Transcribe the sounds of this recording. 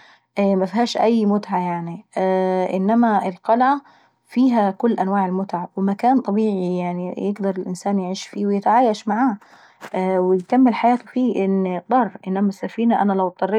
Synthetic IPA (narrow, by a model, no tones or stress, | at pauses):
ʔmafhaːʃʔajːmʊt̪ʕajaʕni | ʔɪ̰nːamaɪlqɑlʕa | fiːɦakʊlːʔanwaːʕɪlmʊt̪ʕawɪmakaːnt̪ˤɑbiːʕijaʕnijɪɡd̪ɑɾˤɪlʔɪnsaːnjaʕiːʃfiːwɪjɪt̪ʕaːjaʃmaʕaː | wɪjkamːɪlħajaːt̪ʊfiːʔɪnːd̪ˤɑrˤːʔɪnːamasafiːnaʔanalawt̪ˤːɑrˤːɪ